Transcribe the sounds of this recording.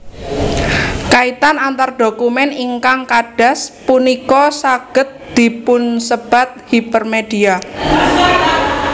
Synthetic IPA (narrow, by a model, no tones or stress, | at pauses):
kait̪anant̪arɖokumɛniŋkaŋkaɖ̥a̤spunikɔsaɡ̥ət̪̚d̪̥i̤pʊnsəb̥a̤t̪̚hipərmed̥ia